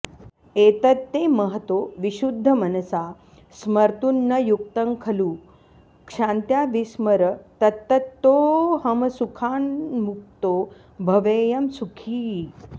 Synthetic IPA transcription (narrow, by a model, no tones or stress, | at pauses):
et̪ɐt̪ːeməɦət̪oʋiɕud̪ʱːəmɐnɐsa | sməɾt̪unːəjuk̚t̪əŋkʰɐluː | kʂãnt̪jaʋisməɾət̪ɐt̪ːət̪ːoɦɐmsukʰaːnmuk̚t̪o | bʱɐʋejɐmsukʰiː